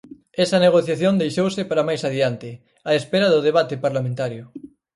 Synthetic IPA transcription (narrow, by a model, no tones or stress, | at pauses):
ɛsɐneɣ̞oθjaθjond̪ejʃowsɪpaɾamajsaðiant̪ɪ | aespeɾaðʊð̞eβ̞at̪epaɾlamẽnt̪aɾjʊ